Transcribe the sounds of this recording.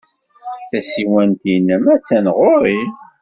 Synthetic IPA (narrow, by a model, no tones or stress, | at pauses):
θæsiwænt̪inəmæt͡sːænʁʊɾi